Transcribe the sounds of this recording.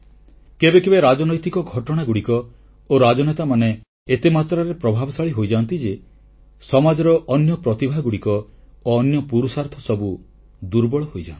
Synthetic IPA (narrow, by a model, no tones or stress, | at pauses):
kebekebeɾad͡ʒɔnɔjt̪ikɔɡʱɔʈɔɽ̃aɡuɽikɔ | oɾad͡ʒɔnet̪amane | et̪emat̪ɾaɾepɾɔbʱabɔsaɭiɦojd͡ʒant̪id͡ʒe | sɔmad͡ʒɔɾɔʔɔnjɔpɾɔt̪ibʱaɡuɽikɔoɔnjɔpuɾusaɾt̪ʰɔsɔbu | d̪uɾbɔɭɔɦojd͡ʒa̰ni